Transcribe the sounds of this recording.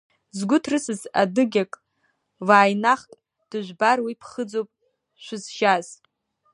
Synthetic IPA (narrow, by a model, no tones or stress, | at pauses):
zɡʷʊtʰrɨsɨzadɨɡʲakʼ | vaːjnaχkʼ | d̥ɨʒᶣʷbarwipʰχəd͡zowpʼ | ʃʷʊzʒaz̥